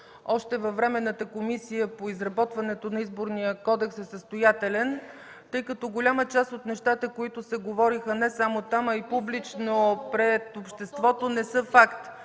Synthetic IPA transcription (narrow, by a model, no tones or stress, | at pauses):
ɔʃt̪ɛvɐvːɾɛmɛnːət̪əkomisijəpoizɾɐbɔt̪vɐnɛt̪onɐizboɾnijəkɔd̪ɛksɛsəst̪ojat̪ɛlɛn | t̪ɤjkɐt̪ɔɡolʲamət͡ʃast̪ot̪nɛʃt̪at̪əkoit̪ʊsɛɡovɔɾixənɛsamot̪amɐipublit͡ʃnopɾɛt̪opʃt̪ɛst̪vɔt̪onɛsɤfakt̪